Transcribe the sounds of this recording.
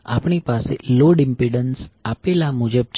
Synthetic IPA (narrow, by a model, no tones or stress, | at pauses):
a̰pɳipasḛloɖɪmpiɖənsapelamud͡ʒəb̚t͡ʃ